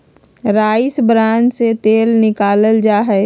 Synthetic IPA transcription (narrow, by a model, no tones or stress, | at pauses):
ɾaːisbɾãːnd͡ʒset̪eːlnɪkaːləld͡ʒaːɦɛ